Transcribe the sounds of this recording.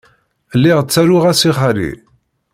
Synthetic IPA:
lːiʁt͡sːæɾʊʁæsiχaɾḭ

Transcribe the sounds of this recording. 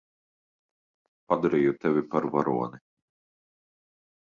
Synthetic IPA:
pad̪aɾiːjut̪ɛvʲipaɾvaɾuɔni

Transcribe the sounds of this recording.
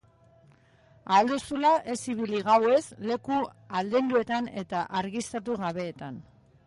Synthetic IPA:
ald̪usulaʔe̞siβ̞iliɣawe̞sle̞ku | ald̪e̞nd̪ue̞t̪ane̞t̪aʔaɾɣist̪at̪uɣaβe̞ːt̪an

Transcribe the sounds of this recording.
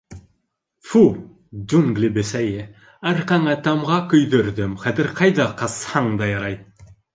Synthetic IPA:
fu | d͡ʒuŋɡlʲibɘsæje | æɾqɑŋɑt̪ɑmʁɑkɵ̆jd̪ɵ̆ɾd̪ɘmχæt̪ɘɾqɑjd̪ɑqɑshɑŋd̪ɑjɑɾɑj

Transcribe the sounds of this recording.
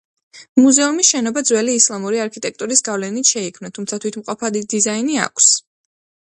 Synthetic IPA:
muzɛumisʃɛnɔbad̪zwɛliːslˠamuɾiaɾkʰit̪ʼɛk̚ʰt̪ʼuɾisɡavlɛnit̪ʃɛikʰmnat̪ʰumt̪sʰat̪ʰwit̪ʰmqʼɔpʰad̪id̪izainia̰kʷʰs

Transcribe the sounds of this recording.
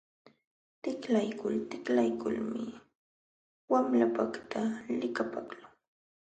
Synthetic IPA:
t̪ɪklajkʊlt̪ɪklajkʊlmɪ | wamlapakt̪ʰalɪkapaklaŋ

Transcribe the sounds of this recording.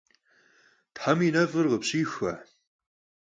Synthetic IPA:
tħaminɐfʼɨrʁəpɕiːxʷɐ̰

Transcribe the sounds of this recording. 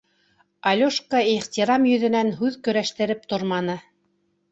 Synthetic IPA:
ɑlʲoʃkəiʁt̪ʲiɾɑmjɵ̆ðɘ̆nænɦʉðkɵ̆ɾæʃt̪ɘ̆ɾɘp̚t̪oɾmɑnɤ

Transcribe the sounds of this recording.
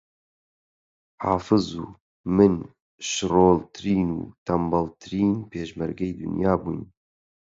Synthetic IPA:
hɑ̰ːfɨzṵː | mɨn | ʃɾoːlt̪ʰɨɾiːnṵːt̪ʰambɑlt̪ʰɨɾiːnpʰeːʃmɛɾɡɛjd̪ɨ̰njɑːbujn

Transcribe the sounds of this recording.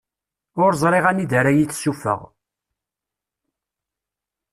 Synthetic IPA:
ʊɾzˤɾˤeʁænid̪əɾajiθsːufə̰ʁ

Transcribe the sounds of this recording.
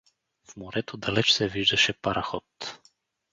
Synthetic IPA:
fmoɾɛt̪od̪alɛt͡ʃsɛviʒd̪ɐʃɛpaɾaxɔt̪

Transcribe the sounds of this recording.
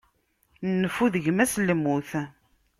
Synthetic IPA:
nnːəfuðəʝmæslmːuθ

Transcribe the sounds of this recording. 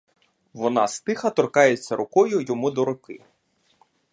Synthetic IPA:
ʋɔnɑst̪ɪxɐt̪ɔrkɑjet͡sʲːɐɾʊkɔjʊjɔmud̪ɔɾʊkɪ̰

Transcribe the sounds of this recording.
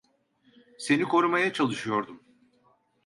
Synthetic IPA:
se̞nikʰo̞ɾumajat͡ʃʰalˠɯʃɯjo̞ɾd̪um

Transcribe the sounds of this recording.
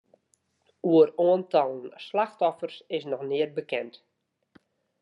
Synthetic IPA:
uəroəntɔlˠənslaxtɔfərsɪsnɔxnɪər̚bəkɛnt

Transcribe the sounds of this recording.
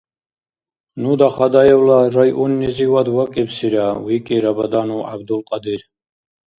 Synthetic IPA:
nud̪aχad̪ajɛwlaɾajʔunːɛziwad̪wakʼɛbsiɾawikʼiɾabad̪anua̰bd̪ulqʼad̪iɾ

